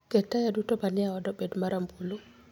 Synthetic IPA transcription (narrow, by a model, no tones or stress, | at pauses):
kɛtajadutɔbaniawadɔbedmaɾʔambulu